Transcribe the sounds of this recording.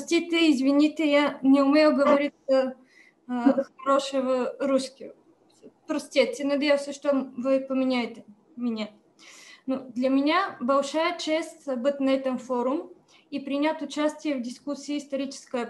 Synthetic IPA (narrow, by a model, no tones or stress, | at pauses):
psʲt̪ʲit̪ʲɪɪzvʲɪnʲit̪ʲɪjanʲɪʊmʲejʊɡəvɐɾʲit̪sə | xɐɾoʂəvəɾuskʲɪ | pɾɐsʲt̪ʲet̪ʲənɐdʲejəwsʲəʂt̪ovɨpəmʲɪnʲajɪt̪ʲɪ | mʲɪnʲe | nud̪lʲɐmʲɪnʲabɐlˠʂajət͡ɕesʲtʲbɨt̪ʲnɐɛt̪əmfoɾʊm | ipɾʲɪnʲat̪ʊt͡ɕasʲtʲɪjəvdʲɪskusʲiːst̪ɐɾʲit͡ɕɪ̥skəjə